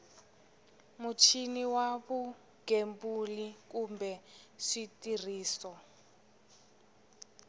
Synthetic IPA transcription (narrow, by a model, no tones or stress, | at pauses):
mut͡ʃʰiniwaβu | ɡ̥embulikumbɛʂitir̤iːsɔ